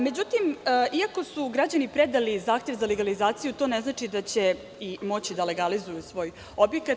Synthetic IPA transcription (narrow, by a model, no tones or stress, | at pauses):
me̞d͡ʑut̪imːʔiako̞suɡɾad͡ʑanipɾed̪alizaːxt̪je̞ʋzaleɡalizaːt̪sijut̪o̞ːneznaːt͡ʂid̪at͡ɕe | imo̞t͡ɕid̪ale̞ɡalizujusʋo̞ːj | o̞bjekat̪